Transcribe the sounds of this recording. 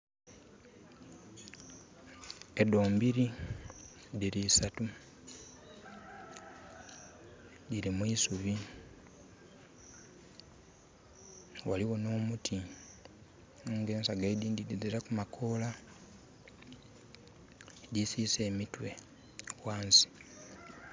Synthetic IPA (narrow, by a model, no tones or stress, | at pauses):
edo̞ːmbiɾi | diɾiːsatu | diɾimwisuβi | waliɣo̞no̞ːmutʰi | oɡeːnsaɡaidiːndidiziɾakumakʰoːla | disiːse̞ːmitwe̞ | waːnsi̥